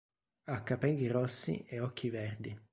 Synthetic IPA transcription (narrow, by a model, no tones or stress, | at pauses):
akːapɛlːirɔsːḭeɔkʰːivɛrd̪i